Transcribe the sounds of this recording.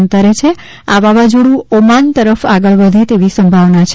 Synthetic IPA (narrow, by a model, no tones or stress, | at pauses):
nt̪əɾet͡ʃʰe | aʋaʋad͡ʒoɽũomant̪əɾəfaɡəɭʋəd̪ʱet̪eʋisəmbʱaʋnat͡ʃʰ